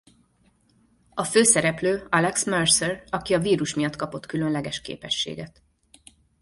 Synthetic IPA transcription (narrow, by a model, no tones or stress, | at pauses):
ɒføːsɛɾɛpløːɒlɛksmørsɛrɒkiɒviːɾuʃmijɒt̪ːkɒpo̞t̪kylø̞nlɛɡɛʃkḛːpɛʃːḛːɡɛt̪